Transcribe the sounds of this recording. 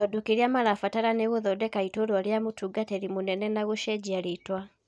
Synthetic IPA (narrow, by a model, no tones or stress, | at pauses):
ɔdokeɾeamaɾafataɾaneɣoðɔdɛkaitoɾwaɾeamotuːɡatɛɾimonɛnɛnaɣoʃɛd͡ʑiaɾetwa